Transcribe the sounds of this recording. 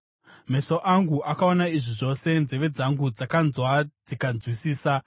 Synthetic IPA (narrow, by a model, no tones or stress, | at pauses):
me̞so̞ʔaŋɡuʔakao̞naiʐiʐo̞se̞nzeʋe̞d͡zaŋɡud͡zakanzwad͡zikand͡zwisiːsa